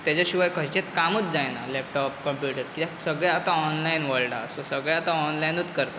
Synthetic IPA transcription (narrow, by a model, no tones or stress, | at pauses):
t̪jat͡ɕaɕiʋajkʰəɦt͡ɕet̪kamət͡sd͡zajna̰lɛp̚ʈɔpkəmpjuʈəɾkit̪asəɡɭjat̪aɔnlainʋəɭɖa̰əsosəɡɭjat̪aɔnlajnut̪kəɾt̪a